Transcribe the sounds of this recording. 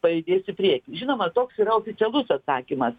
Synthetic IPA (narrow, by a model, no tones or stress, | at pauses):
pɐɪd̪ʲeːsɪpʲrʲiɛkʲɪʒʲɪnoːmɐt̪oːksiːɾɐoːfʲɪt̪sʲɛlˠʊsɐt̪sɑːkʲɪmɐs